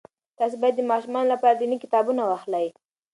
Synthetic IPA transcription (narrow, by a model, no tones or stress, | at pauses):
t̪ɑs̬ibɑjad̪ːəmɑʃumɑnlapɑɾad̪inikɪ̥t̪ɑbunawaxlaj